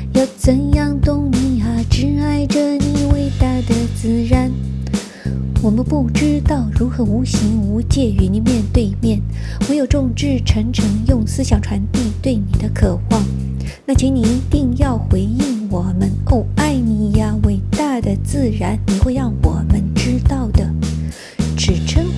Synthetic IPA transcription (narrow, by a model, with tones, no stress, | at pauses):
jɑ˥˩ʊt͡sə˧˥ŋjɑ˥˩ŋt̪ʊ˥ŋni˧˥a˧ʈ͡ʂɻ̩˧˥a˥ɪʈ͡ʂə˧ni˧˥˩we˧˥ɪt̪a˥˩d̪ə˩t͡sɹ̩˥˩ɻa˧˥n | wɔ˨˩mə˦npu˥˩ʈ͡ʂɻ̩˥t̪ɑ˥˩ʊɻu˧˥xɤ˧˥u˧˥ɕi˧˥ŋu˧˥t͡ɕjɛ˥˩y˧˥ni˨˥nmjɛ˥˧nt̪we˥˧ɪmjɛ˥˩n | wɔ˧˥jo˨˩ʊʈ͡ʂʊ˥˧ŋʈ͡ʂɻ̩˥˩ʈ͡ʂʰɤ˧˥ŋʈ͡ʂʰɤ˧˥ŋjʊ˥˩ŋsɹ̩˥ɕjɑ˨˩ŋʈ͡ʂʰwa˧˥nt̪i˥˧t̪we˥˩ɪni˨˩d̪ə˦kʰɤ˨˩xwɑ˥˩ŋ | na˥˩t͡ɕʰi˧˥ŋni˨˩i˧˥t̪i˥˧ŋjɑ˥˩ʊxwe˧˥ɪi˥˩ŋwɔ˨˩mə˦no˥˩ʊa˥˩ɪni˨˩ja˧we˧˥˩ɪt̪a˥˩d̪ə˩t͡sɹ̩˥˩ɻa˧˥nni˨˩xwe˥˧ɪɻɑ˥˩ŋwɔ˨˩mə˦˥nʈ͡ʂɻ̩˥t̪ɑ˥˩ʊd̪ə˩ | ʈ͡ʂɻ̩˨˩ʈ͡ʂʰɤ˥ŋ